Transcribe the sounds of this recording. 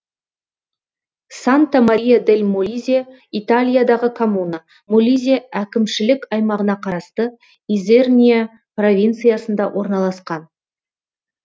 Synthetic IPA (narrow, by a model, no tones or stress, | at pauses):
sant̪amaɾʲijad̪elʲmulʲizʲija | it̪alʲijad̪ɑʁəkʰo̞munə | mulʲizʲiaækʲɪmʃɪlɪkɑjmɑʁənɑqʰɑɾɑst̪ə | izernʲija | pro̞vʲijnt̪sɨjasənd̪ɑ̰wʔo̞ɾnɑlˠɑsqɑn